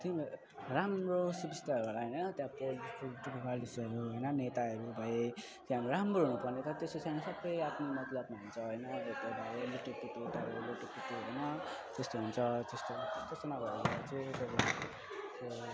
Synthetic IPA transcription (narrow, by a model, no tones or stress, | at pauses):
t̪im | ramrosubist̪aɾuɦolaɦʌjnʌt̪jãpolkuʈukipalisiʌɾuɦojnʌnet̪aʌɾubʱʌje | k̪ẽɦamɾoɾamroɦunupʌrnet̪ʌɾʌt̪esost͡sʰajnesʌbːʌjapʰnomʌt̪lʌbmaɦunt͡sʰʌɦojnʌbot̪obʱʌeluʈopit̪ot̪aɾeloʈopit̪uɦʌjnʌ | t̪est̪oɦunt͡sʰʌt̪est̪ot̪est̪osenaɡʌɾubat͡sẽtʌb | so